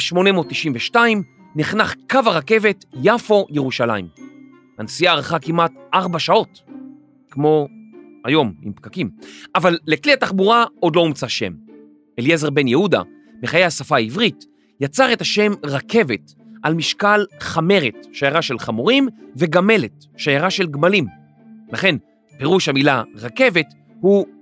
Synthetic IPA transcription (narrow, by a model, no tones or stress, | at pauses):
ʃmo̞nemoːt̪ːiʃimveʃtaim | niχnaχkavaʁake̞ve̞tjafo̞jeʁuʃala̰im | ansijaːʁχakimʔatʔaʁbaʃao̞t | kmo̞ | a̰jo̞mḭmpkakimʔavalːekliataχbuʁao̞d̪lo̞umt͡saʃe̞̰m | eljezeʁbe̞njehuda̰ | meχajehasafaivʁit | jat͡saʁe̞taʃe̞mʁakʰe̞ve̞t | almiʃkalχame̞ʁetʃajaʁaʃe̞lχamoʁimve̞ɡame̞let | ʃajaʁaʃe̞lɡmalim | laχe̞n | pe̞ʁuʃhamilaʁake̞ve̞t | hu